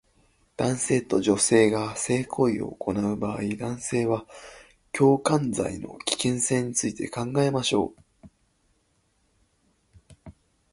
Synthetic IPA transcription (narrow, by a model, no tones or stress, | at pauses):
d̪̥ãɰ̃se̞ːt̪o̞ʑo̞se̞ːɡase̞ːkʰo̞io̞̰ːko̞naɯ̟baːid̪ãɰ̃se̞ːβa | kʲo̞ːkãnd͡za̰ino̞̰kʲi̥kẽ̞ɰ̃sẽ̞ɲ̟ːit͡sɨit̪e̞kãŋɡae̞maɕo̞̰ː